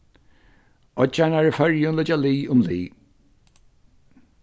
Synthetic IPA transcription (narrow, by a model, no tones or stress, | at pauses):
ɔd͡ʒanaɹəfɛɹjunləd͡ʒaliːʊmlḭː